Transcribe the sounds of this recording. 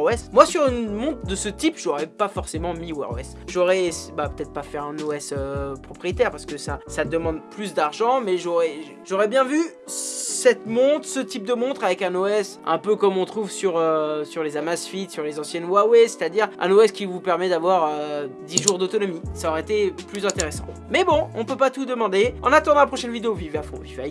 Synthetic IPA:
wɛsmwasyʁynmɔ̃t̪̚d̪əsət̪ipʒɔʁɛpafɔʁsemɑ̃miwa̰ʁwɛ̰s | ʒɔʁɛsbapøt̪ɛt̪χpafɛʁɛ̃noɛsøpχɔpχijet̪ɛʁpaʁsə̥kəsasad̪əmɑ̃d̪plys̬d̪aʁʒɑ̃mɛʒɔʁɛ | ʒɔʁɛbjɛ̃vy | sɛt̪mɔ̃t̪χsət̪ip̚d̪əmɔ̃t̪χavɛkɛ̃noɛsɛ̰̃pøkɔmɔ̃t̪χuvsyʁøsyʁlezamasfit̪syʁlezɑ̃sjɛnwawɛse̥t̪ad̪iʁʔɛ̰̃noɛskʲivupɛʁmɛd̪avwaʁød̪iʒuʁd̪ot̪ɔnɔmisaɔʁɛet̪eplyzɛ̃t̪eʁesɑ̰̃ | mɛbɔ̃ɔ̃pøpat̪ud̪əmɑ̃d̪eɑ̃nat̪ɑ̃d̪ɑ̃lapχɔʃɛnvid̪eoviveafɔ̰̃vivaj

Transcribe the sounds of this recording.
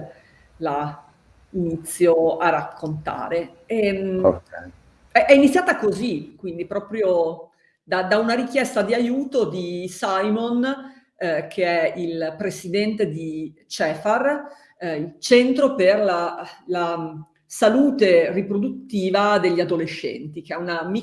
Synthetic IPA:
la | init̪sːjoarakːont̪a̰ːɾe | ɛ̰kɛ̰ | ɛʔɛinit̪sʲːjaːt̪akozikwind̪ipɾɔːpɾjo | d̪ad̪aunaɾik̟jɛst̪ad̪iajuːt̪od̪isajmon | kʰeɛilpɾesid̪ɛnt̪ed̪it͡ʃɛːfar | ilt͡ʃɛnt̪ɾoperlala | saluːt̪eripɾod̪ut̪ːiːvad̪eʎːiad̪oleʃːɛ̰nt̪ik̟eɛunami

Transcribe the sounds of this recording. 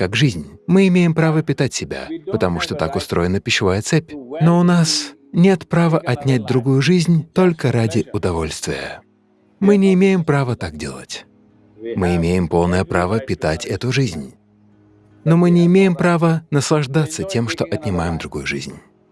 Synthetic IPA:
kakʐɨzʲnʲmɨɪmʲejɪmpɾavəpʲɪt̪atʲsʲɪbʲa̰pət̪ɐmuʂt̪o̞t̪akʊst̪ɾo̞jɪnəpʲɪɕɪvajət̪sɛpʲnoʊnas | nʲe̞t̪pɾavəʔɐtʲnʲæt̚ʲd̪ɾʊɡujʊʐɨzʲnʲt̪o̞lʲkəɾadʲɪʊd̪ɐvo̞lʲst̪vʲɪ̰jə̰ | mɨnʲɪːmʲejɪmpɾavət̪ak̚dʲe̞̰lˠə̰tʲ | mɨɪmʲejɪmpo̞lˠnəjəpɾavəpʲɪt̪atʲɛt̪ʊʐɨzʲnʲ | nomɨnʲɪːmʲejɪmpɾavənəslˠɐʐd̪at̪sətʲe̞mʂt̪o̞ʔɐt̪ʲnʲɪmajɪmd̪ɾʊɡujʊʐɨ̰zʲnʲ

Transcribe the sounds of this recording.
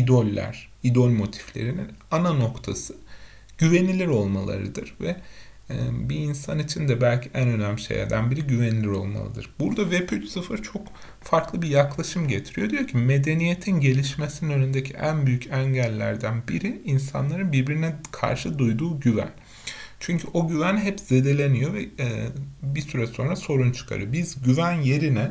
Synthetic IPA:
id̪o̞lʲːæ̰ɾ̥ | id̪o̞lʲmo̞t̪ʰi̥flʲe̞̰ɾininanano̞kt̪ʰasɯ | ɟ̥yve̞nilʲiɾo̞lˠmalˠa̰ɾɯ̰d̪ɯɾ̥vɛ | biːnsanit͡ʃʰind̪ɛbælʲcʰiʔænø̞næmlʲiʃḛjæ̰ɾd̪ænbiɾiɟyve̞nilʲiɾo̞̰lˠma̰lˠɯd̪ɯɾbuɾd̪avepʰyt͡ʃsɯfɯɾt͡ʃʰo̞k | faɾklˠɯbijaklˠaʃɯmɟe̞t̪ʰiɾijo̞d̪ijo̞ɾcʰime̞d̪e̞nije̞t̪ʰinɟe̞lʲiʃme̞sininø̞nynd̪ecʰiʔænbyjycʰæɲɟælʲːæɾd̪ænbiɾiːnsa̰nlˠaɾɯnbiɾbiɾinɛkʰa̰ɾʃɯd̪ujd̪uːɟyvæ̰n | t͡ʃʰyɲcʰyʔo̞ɟyvænɦɛpz̥e̞d̪e̞lʲe̞nijo̞vɛ | bisyɾɛso̞nɾaso̞ɾunt͡ʃʰɯ̥kʰa̰ɾɯ̰jobizɟyvænje̞ɾinɛ

